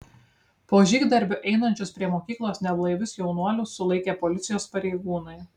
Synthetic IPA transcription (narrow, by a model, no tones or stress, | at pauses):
poːʒʲiːɡd̪ɐɾʲbʲʊʔɛɪnɐnʲt͡ʃʲoːspʲɾʲiɛmoːkʲiːklˠoːsnʲɛlˠɐɪʋʲʊsjɛʊnuɔlʲʊːsʊlˠɐɪkʲeːpɔlʲɪt̪sʲɪjoːspɐɾʲɛɪɡuːnɐɪ